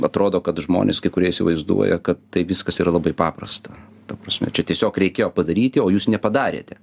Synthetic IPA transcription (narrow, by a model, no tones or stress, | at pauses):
ɐt̪ɾoːd̪oːkɐt̪ʒmo̰ːnʲḛskɐɪkʊɾʲiɛisʲɪʋɐɪzd̪ṵɔjɛ̰kɐt̪tɐɪʋʲɪskɐsiːɾɐlˠɐbɐɪpɑːprɐ̰st̪ɐ | tt̪ɐpɾɐsʲmʲɛ̰t͡ʃʲɛt̪ʲiɛsʲoːkɾʲɛɪkʲeːjoːpɐd̪ɐɾʲiːt̪ʲɪoːjuːsnʲɛpɐd̪ɑːɾʲḛːt̪ʲɛ